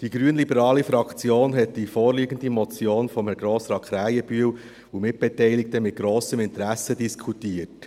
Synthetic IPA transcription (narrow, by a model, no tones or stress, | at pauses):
d̥iɡɾyənlibəɾɑːlifɾɑkt͡sjoːnɦɛtd̥ifɔːɾliːɡən̩dimɔt͡sjoːnfɔməɡɾoːsɾɑkχɾæjəbyəw | umɪt̚b̥ɛtɛɪlɪk̚təmɪt̚ɡ̥ɾoːsəmɪntɾæsədiskʰutiət